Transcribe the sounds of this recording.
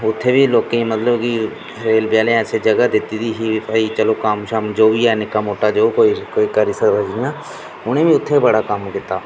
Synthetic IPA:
ʊt̪ʰːebʱiloːkẽmɐt̪ləbki | sɾeːlbjaːlẽat͡ʃʰed͡ʒɐɡad̪ɪt̪it̪iɦiɐit͡ʃəlokaːmʃamd͡ʒoːbʱijaːnɪkːamoːʈad͡ʒoːkoːikoːikaɾisəɾbəd͡ʒɪjãː | ʊn̤ẽbʱiʊt̪ʰːebɐɽakamɖɪt̪aː

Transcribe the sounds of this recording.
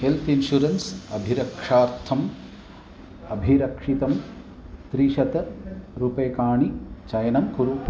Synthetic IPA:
helt̪ʰinʃuɾɐnsɐbʱiɾɐkʂaːɾt̪ʰɐm | ɐbʱiɾɐkʂit̪ɐm | t̪ɾiʃɐt̪ɐɾupɐjːkaːɳit͡ʃɐjɐnɐmkuɾuː

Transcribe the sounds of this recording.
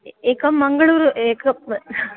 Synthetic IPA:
ekːɐmmːɐŋɡɐɭuːɾekɐ

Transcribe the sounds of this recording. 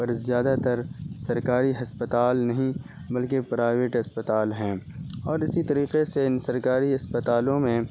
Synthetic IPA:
pɐɾzjaːd̪at̪ɐɾsɐɾkaːɾiɦɐspət̪aːlnɐɦĩ | bɐlkepɾaːɪʋeʈɐspət̪aːlɦɛ̃ːɔːɾɪsit̪ɐɾiːqeseɪnsɐɾkaːɾiɐspət̪aːlõmẽ

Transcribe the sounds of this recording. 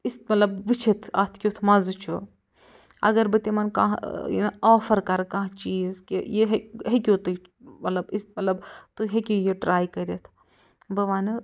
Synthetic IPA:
ist̪mɐt̪lɐbʋit͡ʃʰit̪ʰɐ̰t̪ʰkʲjut̪ʰmɐzut͡ʃʰu | ɐ̰ɡɐɾbɨt̪emɐnkã̰ɦḭnoːfɐɾkɐɾkɐ̃ɦt͡ʃiːzkijeɦɦekʲut̪u | mɐt̪lɐbist̪̚mɐt̪lɐbt̪uɦekʲojeɖɾaːjkɐɾɐt̪ʰ | bɐʋaːnɨ

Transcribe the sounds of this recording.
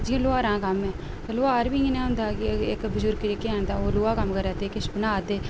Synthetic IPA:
d͡ʒɪ̃ːlʊaːɾãːkəmɛ̃ː | t̪alʊaːɾbiːɪnẽːʊ̃nd̪aːɡɪkbəd͡ʒʊɾɡɾekeɛ̃ːnd̪aːoːloːaːkəmːkəɾɛːt̪eːkɪʃbənaːd̪eː

